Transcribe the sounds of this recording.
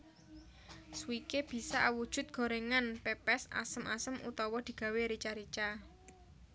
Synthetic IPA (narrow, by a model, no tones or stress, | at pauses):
suwikeb̥i̤sawud̥ʒ̥ʊ̤t̪̚ɡ̥o̤ɾeŋanpepɛsa̰səmʔa̰səmʔṵt̪ɔwɔd̪̥i̤ɡ̥ä̤weɾit͡ʃaɾit͡ʃa